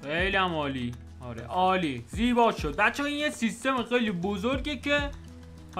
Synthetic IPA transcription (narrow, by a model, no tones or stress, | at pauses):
xejliæmɒːliː | ɒ̰ːɾḛʔɒːliːziːbɒːʃo̞d̪̚bæt̪t͡ʃʰːeinjesist̪e̞mexejliːbozoɾɡecʰe